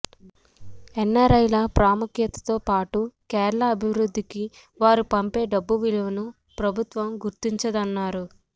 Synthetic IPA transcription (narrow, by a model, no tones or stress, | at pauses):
ɛnːɐɾɐjlɐpɾaːmukjɐt̪ɐ̥t̪oːpaːʈukɛːɾɐɭɐːbʱiʋɾud̪ʱːiki | ʋaːɾupɐmpe̞ːɖɐbːuʋiliʋɐnu | pɾɐbʱut̪ʋɐmɡuɾt̪iɲt͡ʃɐd̪ɐnːaːɾu